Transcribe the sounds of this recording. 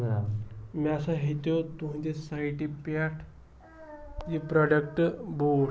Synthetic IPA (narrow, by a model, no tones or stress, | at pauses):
amiasaɦit̪jot̪uɦĩt̪esaiʈipaʈʰ | d͡ʑipɾɔɖəkʈbo